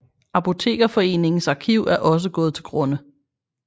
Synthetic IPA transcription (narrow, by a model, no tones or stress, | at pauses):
ɑ̈pʰo̝t͡sʰe̝̰ːɡ̥ɐfɒ̽e̝̰ːne̝ŋn̩sɑ̈ːkʰiʊ̰æɐʔɒ̽s̬əɡ̥ɔ̽ːð̞̩ˠt͡sʰe̝lɡ̥ʁɔ̽nə